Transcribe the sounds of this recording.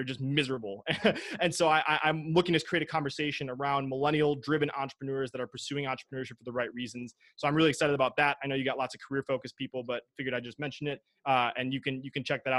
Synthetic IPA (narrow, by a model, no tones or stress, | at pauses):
ə˞d͡ʒʌsmɪzə˞əbl̩ˠɨɨ̃nsoʊaɪʔaɪʔãɪ̃mlʊkɪ̃ŋɨz̥kʰɹ̥ieɪɾɨ̥kʰɑ̃ɱvə˞seɪʃɨ̃nə˞ãʊ̃nməlɛɾ̃il̩ˠdɹɪvɨ̃nʔɑ̰̃nt͡ʃɹə̥pʰɹənʊɹzðɨɾə˞pʰə˞sʉɪ̃ŋɑ̃nt͡ʃɹ̥əpʰənɜɹʃɨp̚fə˞ðəɹaɪt̚ɹizɨ̃n̩z̥ | soʊãɪ̃mɹɪlˠiɨksaɪɾɨɾəbaʊt̪̚ðæɾaɪnoʊjɨɡɑʔˡlɑtsʌv̥kʰə˞ɪɹfoʊkɨspʰipl̩ˠbʌt̚fɪɡjə˞ɾaɪd͡ʒʌsmɛ̃nʃɨ̃n̩ɪt̚ | ɨ̃njɨkɨ̃njɨkɨ̃n̩t͡ʃʰɛk̚ðɨɾa